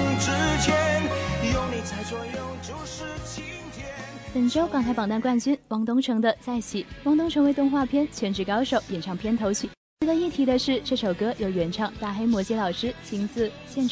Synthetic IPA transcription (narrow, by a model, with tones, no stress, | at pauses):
ʈ͡ʂɻ̩˥t͡ɕʰjɛ˧˥n˧jʊ˥˧˩ŋni˨˩t͡sʰa˧˥ɪt͡swɔ˧jʊ˥˧ŋʈ͡ʂu˧˥ʂɻ̩˥t͡ɕʰi˧˥ŋt̪ʰjɛ˧˥ | pə˨˩nʈ͡ʂo˥ʊkɑ˨˩ŋk̪ʰɪpɑ˨˩ŋt̪nkwa˥˩nt͡ɕy˥nwɑ˧˥ŋt̪ʊ˥ŋʈ͡ʂʰɤ˧˥ŋd̪ə˧t͡sa˥˩ɪɕi˨˩wɑ˧˥ŋt̪ʊ˥ŋʈ͡ʂʰɤ˧˥ŋwe˧˥ɪt̪ʊ˥˧ŋxwa˥˩pʰjɛ˥nt͡ɕʰɥɛ˧˥nʈ͡ʂɻ̩˧˩kɑ˥ʊʂo˨˩ʊjɛ˨˩nʈ͡ʂʰɑ˥˩ŋpʰjɛ˥nt̪ʰo˧˥ʊt͡ɕʰy˥˩ | t͡ɕɥɛ˧˥d̪ə˧i˥˩t̪ʰi˧˥d̪ə˧ʂɻ̩˥˧ʈ͡ʂɤ˥˩ʂo˨˩ʊkɤ˥jo˨˩ʊɥɛ˧˥nʈ͡ʂʰɑ˥˩ŋt̪a˥˩xe˥ɪmwɔ˧˥t͡ɕjɛ˧˥lɑ˨˩ʊʂɻ̩˥t͡ɕʰi˧˥ŋt͡sɹ̩˥˩ | ɕjɛ˥˩nʈ͡ʂʰ